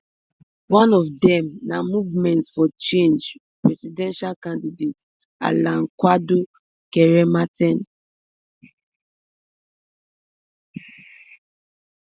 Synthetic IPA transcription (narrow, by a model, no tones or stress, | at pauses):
wɔ̃nɔfdɛ̃mnamuvmɛ̃ntsfɔt͡ʃẽnd͡ʒ | pɹɛsidɛ̃nʃalkãndidet | a̰lãŋkwado | kɛɹɛmatɛ̃n